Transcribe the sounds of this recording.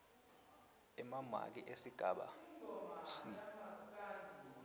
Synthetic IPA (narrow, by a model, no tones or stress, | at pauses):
ɛmama̰k̬iʔesiɡ̥ʱaɓa̰ | si